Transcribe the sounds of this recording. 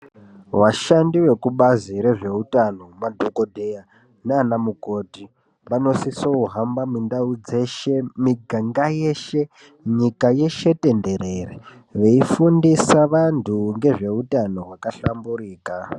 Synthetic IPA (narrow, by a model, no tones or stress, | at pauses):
waʃandiwe̞kuɓaziɾe̞ʐe̞utano̞madʱokodʱeja | naːnamuko̞ːti | ʋano̞sisouɦambamindaud͡ze̞ʃemiɡʱaŋɡajeʃe̞ | ɲikaje̞ʃe̞te̞nde̞ɾe̞re | ʋe̞ifundisaʋantʰuŋɡe̞ʐe̞utano̞ɦwakaɬamburiːka